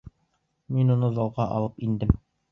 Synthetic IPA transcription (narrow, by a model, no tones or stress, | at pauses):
minunɤzɑlˠʁɑʔɑ̰lˠɤpind̪ɘm